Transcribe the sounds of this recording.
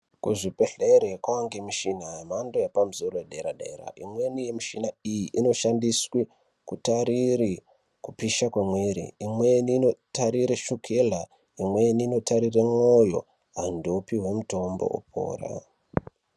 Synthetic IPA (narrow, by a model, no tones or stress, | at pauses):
kuʐipeɮeɾekwaŋɡemiʃinamandojepam̩zoɾojeɗeɾa̰ɗe̞̰ɾa̰ʔimwe̞nije̞miʃinaijiʔino̞ʃandiswi | kutaɾiri | kupiʃakwemweɾḭimwe̞niːnotaɾiɾeʃukʰela | imwe̞niːno̞taɾiremojo̞̰ | ɦandopiɦwe̞muto̞mbo̰ʔṵpʰo̰ːra̰